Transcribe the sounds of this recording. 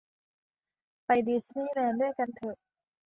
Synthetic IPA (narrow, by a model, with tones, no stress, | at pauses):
pa˧˩jdi˨˧˩sniː˧˥˨lɛː˧˩ndu˥˩əjka˧nt̪ʰɤː˧˩ʔ